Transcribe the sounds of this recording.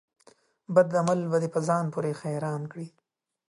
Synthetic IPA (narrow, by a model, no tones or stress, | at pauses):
bad̪amalbad̪epəzɑːnpuɾexajɾɑːnkɽi